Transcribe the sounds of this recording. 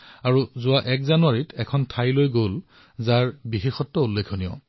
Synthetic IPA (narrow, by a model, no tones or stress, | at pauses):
aɹuzʊaʔɛkzanʊwaɹitʰɛkʰɔntʰajlojɡol | zaɹbixexɔtːɔulːekʰonijɔ̰